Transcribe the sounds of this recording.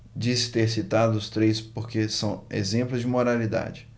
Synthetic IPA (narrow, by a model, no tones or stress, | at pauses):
d͡ʒisɪ̥t̪eɾsit̪ad̪ʊʊst̪ɾejspoɾkesɐ̃w̃ḛzẽplʊzd͡ʒɪmoɾalid̪a̰d͡ʒɪ